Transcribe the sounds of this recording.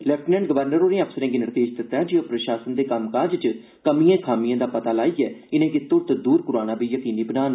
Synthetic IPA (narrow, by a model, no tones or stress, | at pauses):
lɛːp̚ʈnɛ̃ːɳɖɡəʋəɾnəɾoːɾẽːəpsəɾẽːɡiːnɪɾt̪eːd͡ʒd̪ɪt̪ːaːd͡ʒioːpɾəʃaːsənd̪eːkəmkaːd͡ʒt͡ʃ | kəmijãːkʰaːmɪjãːd̪aːpət̪aːlaːiːɛːɪnẽːkit̪ʊɾt̪d̪uːɾkʊɾaːnãːbiːjəkiːniːbənaːn